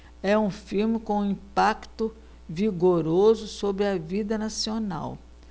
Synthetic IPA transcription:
ɛũfiɾmɪkõĩpakt̪ʊ | viɡoɾozʊsobɾɪɐvid̪ɐnasiona̰w

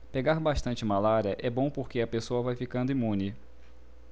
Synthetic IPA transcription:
peɡaɾbaʃt̪ɐ̃nt͡ʃɪmalaɾiɐʔɛbõpoɾkeɐpesoɐvajfikɐ̃nd̪ʊĩmũnɪ

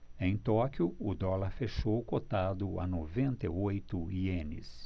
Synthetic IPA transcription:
ẽj̃t̪ɔkjʊʊd̪ɔlaɾfeʃowkot̪ad̪ʊa̰novẽnt̪ɐojt̪ʊiẽnɪ̰s

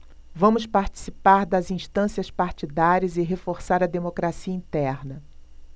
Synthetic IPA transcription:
vɐ̃mʊspaɾt͡ʃi̥sipaɾd̪ɐzĩst̪ɐ̃siɐspaɾt͡ʃid̪aɾiɐzɪɦefoɾsaɾɐd̪emokɾasiɐĩt̪ɛɾnɐ

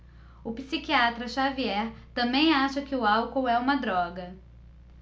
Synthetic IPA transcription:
ʊpisikiat̪ɾɐʃaviɛɾt̪ɐ̃mbẽj̃aʃɐkɪʊawkowɛũmɐd̪ɾɔɡɐ

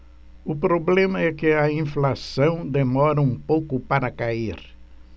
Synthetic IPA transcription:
ʊpɾoblẽmɐɛkɪɐĩflasɐ̃w̃d̪emɔɾɐũpowkʊpaɾɐkaiɾ

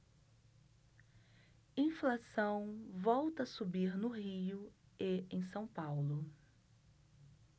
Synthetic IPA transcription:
ĩflasɐ̃w̃vɔwt̪ɐsubiɾnʊhiʊ | eẽj̃sɐ̃w̃pawlʊ

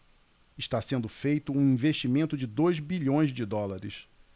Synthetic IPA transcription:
ɪʃt̪asẽnd̪ʊfejt̪ʊũĩveʃt͡ʃimẽnt̪ʊd͡ʒɪd̪ojzbiʎõj̃zd͡ʒɪd̪ɔlaɾɪs

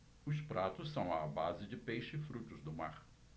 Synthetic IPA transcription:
ʊspɾat̪ʊssɐ̃w̃ɐbazɪd͡ʒɪpejʃɪɪfɾut̪ʊzd̪ʊma̰ɾ

